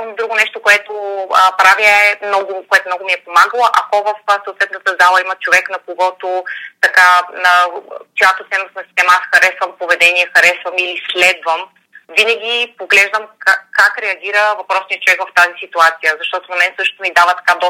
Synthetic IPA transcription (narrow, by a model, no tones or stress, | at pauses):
d̪ɾuɡonɛʃt̪okoɛt̪oəpɾavjəɛmnɔɡʊkoɛt̪omnɔɡoʊmiɛpomaɡəlˠoʔɐkɔvəfsoːt̪vɛt̪nət̪əzalˠɐimɐt͡ʃovɛknɐkoɡɔt̪ot̪ɐkaəkojat̪ot̪ɛnosnɐsi̥st̪ɛmasxɐɾɛsvəmpovɛd̪ɛniɛxɐɾɛsvəmilislɛd̪vəm | vinəɡ̟ʲipoɡlɛʒd̪əmkakakɾɛɐɡʲiɾəvɐpɾɔsniət͡ʃovɛkvəft̪azisit̪uat̪sijəzɐʃt̪ɔt̪onɐmɛnsɤʃt̪omid̪avət̪ɐ̥kad̪ɔ